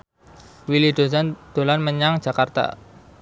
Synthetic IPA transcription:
wilid̥̪o̤sand̪̥o̤lanməɲaŋ̥ʒ̥ä̤kart̪a̰

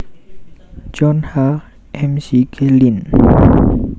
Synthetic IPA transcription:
t͡ʃɔnha | emsikʰelin

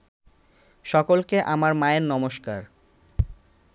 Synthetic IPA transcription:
ʃɔkolkeʔamaɾmaeɾnɔmoʃkaɾ

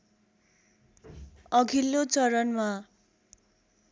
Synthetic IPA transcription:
ʌɡʱilːot͡sʌɾʌnma

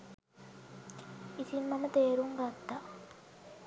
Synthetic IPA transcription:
isimːɐmət̪eːɾuŋɡɐd̪ːa

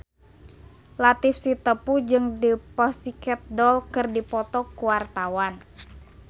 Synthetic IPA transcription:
lat̪ɪfsit̪əpud͡ʒɨŋdipɔsikɛt̪̚dɔlkɨrdipɔt̪ɔkuwart̪awan

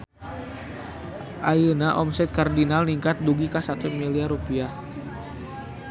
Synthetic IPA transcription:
ʔajənaʔɔmsɛt̪̚kardinalniŋkat̪̚duɡikasat̪umiliaɾupia

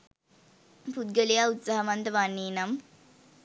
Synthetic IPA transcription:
pud̪̚ɡəlijaut̪saɦɐmɐnt̪əʋanːiːnɐm

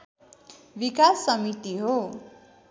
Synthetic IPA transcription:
bikasːʌmit̪iɦo

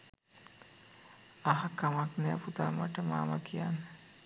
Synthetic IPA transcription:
aɦakamaknɛːput̪ama̰ʈəma̰ːmakijanːə

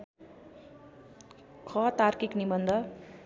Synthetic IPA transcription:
kʰʌt̪arkiknimʌnd̪ʱʌ

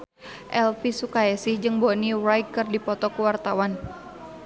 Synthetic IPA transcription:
ʔɛlpisukaɛsɪhd͡ʒɨŋbonirajkːɨrdipɔt̪ɔkuwart̪awan

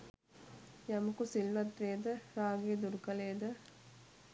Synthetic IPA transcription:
jɐmɐkusilʋɐt̪ʋeːd̪ɐɾaːɡeːd̪uɾkɐleːd̪ɐ

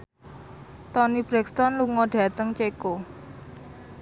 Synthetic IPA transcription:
t̪ɔnib̥ɾɛkst̪ɔnluŋɔɖ̥ä̤t̪əŋt͡ʃeko

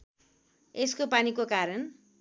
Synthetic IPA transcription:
eskopanikokaɾʌn

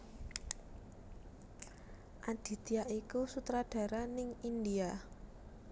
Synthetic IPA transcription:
ʔad̪̥i̤d̪̥iaʔikusut̪ɾaɖ̥a̤ɾanɪŋindia

